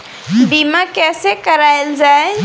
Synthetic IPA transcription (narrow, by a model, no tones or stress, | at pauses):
biːmãkɛːsekəɾaːjld͡ʒaːe